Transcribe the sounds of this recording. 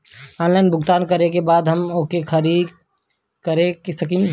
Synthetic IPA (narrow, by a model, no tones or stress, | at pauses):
ɔːnlaɪnbʱʊɡt̪aːnkəɾekebaːd̪ɦəmokekʰəɾi | kəɾeksəkĩ